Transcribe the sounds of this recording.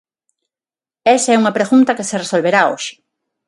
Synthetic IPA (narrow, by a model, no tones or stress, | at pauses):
ɛsaɛuŋɐpɾeɣunt̪ɐkeseresolβeɾao̰ʃɪ̥